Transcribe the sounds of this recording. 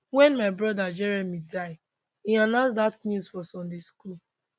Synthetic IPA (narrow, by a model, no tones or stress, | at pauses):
wɛ̃nmaɪbɹɔdad͡ʒɛɹɛmidaɪ | ianãns̬datnjuswɔsɔ̃ndeskul